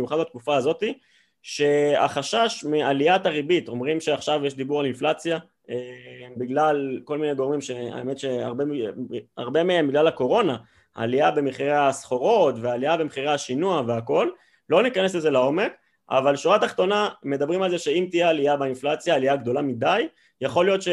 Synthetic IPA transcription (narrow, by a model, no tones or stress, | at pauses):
juχad̪bat̪kufaːzo̞t̪i | ʃe̞a̰χaʃaʃmialiataʁibit̪o̞mʁimʃeaχʃavjeʃd̪ibuʁalinflat͡sja | ebiɡlalko̞lminejɡo̞ʁmimʃe̞a̰eme̞t̪ʃe̞a̰ʁbea̰ʁbe̞meembiɡlalako̞ʁo̞na | a̰liabe̞miχiʁeasχo̞ʁo̞t̪vealiabemeχiʁeaʃinuaveako̞l | lːo̞nikane̞sleze̞lao̞me̞k | a̰valʃuʁat̪aχt̪o̞name̞d̪abʁimalzeʃe̞imt̪ijealijabeinflat͡sjaːliaɡd̪o̞lamid̪aj | jaχo̞lijo̞t̪ʃe